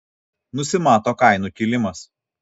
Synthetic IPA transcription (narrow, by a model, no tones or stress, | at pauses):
nʊsʲɪmɑːt̪oːkɐɪnuˑkʲilʲɪmɐs